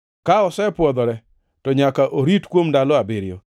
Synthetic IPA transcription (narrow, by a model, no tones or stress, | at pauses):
kaɔsɛpwɔd̪ɔɾɛ | tɔɲakaʔoɾitkwomdalɔabɪɾjɔ